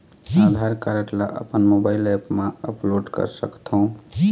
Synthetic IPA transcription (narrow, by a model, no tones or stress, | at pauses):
ad̪ʱaɾkaɾəʈlaʔə̰pənmobajlepmaəploɖkə̰ɾsə̰kt̪ʰoʊ̃